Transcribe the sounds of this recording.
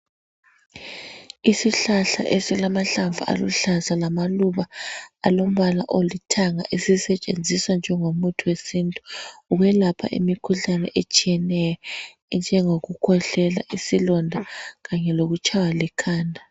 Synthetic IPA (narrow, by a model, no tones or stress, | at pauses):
isiɬaɬa̰ʔesilamaɬavṵʔa̰lṵɬazalamaluβaalom̩βala̰ʔolitʰaŋa̰ʔesisɛt͡ʃʼend͡zʱiswand͡ʒʱɛŋomutʰuwesintʼu̥ːɣwɛlapʰa̰ʔḭmikʰuɬanɛ̰ʔet͡ʃʼijɛnɛjɔ | nd͡ʒʱɛŋoɣukʰɔɬɛla̰ʔisilɔndʱaɣaɲɛloɣut͡ʃʼawalikʰaːndʱa